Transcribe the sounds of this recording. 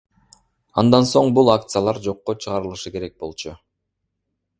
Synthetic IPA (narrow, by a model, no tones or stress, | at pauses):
ɑnd̪ɑnso̞ɴbulˠakt̪sɨjalˠɑɾd͡ʒo̞qːot͡ʃʰɯʁɑɾɯlˠɯʃɯke̞ɾe̞k̚bo̞lˠt͡ʃu